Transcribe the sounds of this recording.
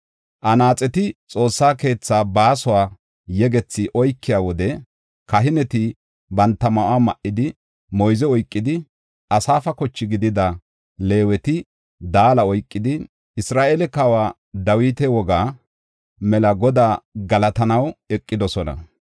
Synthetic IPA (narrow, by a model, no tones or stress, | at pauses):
ʔɐnaːt͡sʼɛt̪ɪt͡sʼo̞ːsːaːke̞ːt͡sːaːbaːsʊwaː | jɛɡɛt͡sːɪʔɔjkʰːɪjaːwɔd̪ɛ | kɐɦɪnɛt̪ɪ | bɐnt̪ːɐmɐʔaːmɐʔɪd̪ɪ | mɔjzɛɔjkʼːɪd̪ɪ | ʔɐsaːfɐkɔt͡ʃːɪɡɪd̪ɪd̪ɐ | le̞ːwɛt̪ɪ | d̪aːlɐɔjkʼːɪd̪ɪ | ɪsɾaːʔeːlɛkawaː | d̪ɐwiːt̪ɛwɔɡaː | mɛlɐɡɔd̪aːɡɐlɐt̪ɐnɐwɛkʼːɪd̪ɔsɔnɐ̰